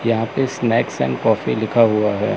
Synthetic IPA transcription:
jɐɦãpesnɛːksɛ̰̃nkɔːfilɪkʰaɦuaɦɛ̰ː

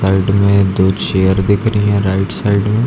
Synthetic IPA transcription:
saɪɖmẽd̪oːt͡ʃejəɾd̪ɪkʰɾəiɦɛ̃ɾaɪʈsaɪɖmẽ

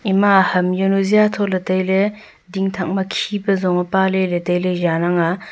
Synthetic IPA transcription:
imahɐmjonuzijatʰɔtlɐtɐjle | diŋtʰak̚mɐkʰibɐzɔŋɐpaleletejlejanaŋa

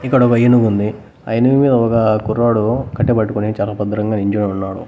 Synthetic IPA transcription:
ikːɐɽɔkɐjɐnuɡund̪i | ɐ̰jɐnuʋimiːd̪ɐɔkɐkurːaːɽukɐʈːebɐʈːukunit͡ʃaːlaːpɐd̪ɐɾɐŋɡaːniɲd͡ʒonunːaːɽu

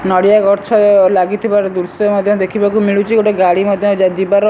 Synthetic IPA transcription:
nɔɽijakɔɾt͡ʃʰɔlaɡit̪ʰibaɾɔd̪uɾsɔmɔd̪ʱjɔd̪ekʰibakumiɭut͡ʃʰiɡoʈeɡaɽimɔd̪ʱjɔd͡ʒad͡ʒibaɾɔ

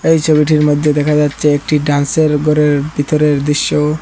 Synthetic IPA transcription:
ejt͡ɕʰobiʈiɾmod̪ʱːed̪ɛkʰad͡ʑatːɕʰeek̚ʈiɖanseɾɡʱɔɾeɾbʱit̪oɾeɾd̪ɾiʃːo

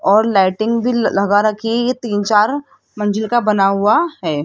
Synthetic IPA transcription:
ɔːɾlaːɪʈɪ̃ŋɡbʱilɐɡaɾɐkʰijet̪iːnt͡ʃaːɾ | mɐ̃ɲd͡ʒɪlkabɐnaɦʊaɦɛː

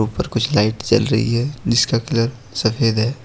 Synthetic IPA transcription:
uːpəɾkʊt͡ʃʰlaːɪʈt͡ʃɐ̰lɾɐ̰ɦḭɦɛd͡ʒɪskakɪləɾ | sɐpʰeːd̪ɦɛː

